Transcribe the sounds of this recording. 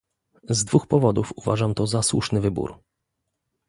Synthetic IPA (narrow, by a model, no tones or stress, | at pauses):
zd̪vuxpɔvɔd̪ufuva̰ʐamt̪ɔzaswṵʂnɘvɘbṵɾ